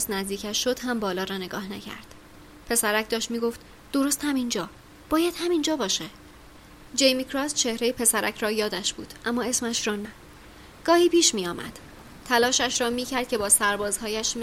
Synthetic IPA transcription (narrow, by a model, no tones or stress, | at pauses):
snæzd̪iːkcʰæʃʃːo̞d̪̥hæmbɒːlɒːɾɒːne̞ɡɒːhnæcʰæ̰ɾd̪̥ | pʰe̞sæɾæcd̪ɒːʃt̪miːɡo̞ft̪ | d̪̥o̞ɾo̞st̪hæmind͡ʒɒː | b̥ɒːjæd̪̥hæmind͡ʒɒːbɒːʃe | d͡ʒe̞jmikʰɾɒst͡ʃʰe̞hɾejepʰe̞sæɾæcʰɾɒːjɒːd̪æʃb̥ṵːd̪̥ʔæmːɒːe̞smæʃɾɒːnæ | ɡ̥ɒːhiːpiːʃmiːjɒːmʔæ̰d̪̥ | t̪ʰælɒːʃæʃɾɒːmiːcʰæɾd̪̥̚cʲʰe̞bɒːsæɾbɒːzhɒːjæʃm